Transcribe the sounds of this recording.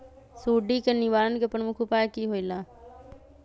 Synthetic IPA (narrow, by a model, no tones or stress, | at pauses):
suːɖiːkəniʋaːlənkepənmʊkʰupaːjkiːɦoːilaː